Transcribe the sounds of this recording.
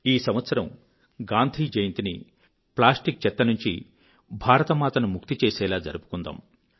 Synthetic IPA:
iːsɐmʋɐt̪sɐɾɐm | ɡaːnd̪ʱiːd͡ʒejɐnt̪inḭ | plaːsʈik̚t͡ʃɛt̪ːɐnuɲt͡ʃḭ | bʱaːɾɐt̪ɐmaːt̪ɐnumuk̚t̪it͡ʃeːsɛːlaːd͡ʒɐ̰ɾupu̥kund̪a̰ːm

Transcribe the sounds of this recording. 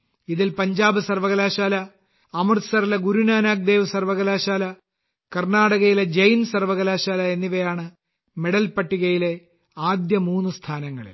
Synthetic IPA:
iðilpɐɲd͡ʑaːbɨsɐrʋɐɣɐlaːɕaːlɐ | ɐmɐrsɐrilɐɡuɾunaːnaːk̚d̪e̞ːʋɨsɐrʋɐɣɐlaːɕaːlɐ | kɐrnaːɽɐɣɐjile̞d͡ʑɐjnsɐrʋɐɣɐlaːɕaːlɐe̞nːiʋɐjaːɳɨ | meɽɐlpɐʈːiɣɐjile̞ | aːd̪jɐmuːnːust̪ʰaːnɐŋːɐɭ̰l

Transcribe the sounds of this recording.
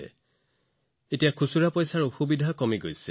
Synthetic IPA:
ɛ̰ | etijakʰusuɹapɔjsaɹoxubidʱakɔmiɡojsɛ

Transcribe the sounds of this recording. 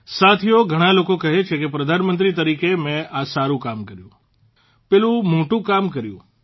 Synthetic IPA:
sat̪ʰijoɡʱəɽ̃alokokəɦet͡ʃʰekepɾəd̪ʱanmənt̪̬ɾit̪̬əɾikemẽasaɾũkamkəɾjṵ̃ | pɛlũmoʈũkamkəɾjṵ̃

